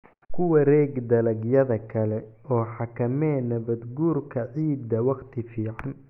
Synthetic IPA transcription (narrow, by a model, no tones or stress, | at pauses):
kʰʊwɐɾɛːɡd̪ɐlɐɡjɐðɐkʰɐlɛɔːħɑkʰɐmɛːnɐβɐd̪ɡuːrkʰɐʕiːd̪ːɐwɑqt̪ʰɪfiːʕan